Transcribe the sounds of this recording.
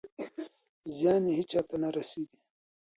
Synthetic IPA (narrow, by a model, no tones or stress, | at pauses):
zjaːniɦit͡ʃat̪anaɾɐsiːɡi